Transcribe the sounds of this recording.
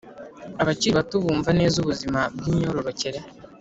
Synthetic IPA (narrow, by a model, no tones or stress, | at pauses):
aβat͡ʃiɾiβatuβuːɱvane̞ːzuβuzimab̚ɡiɲoɾoɾoceɾe